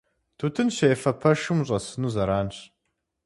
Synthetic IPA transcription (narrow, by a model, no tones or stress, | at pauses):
tʰuːtʰɨnɕejɛfɐpʰɐʃɨmɕʼɐsɨnuːzɐɾaːnɕ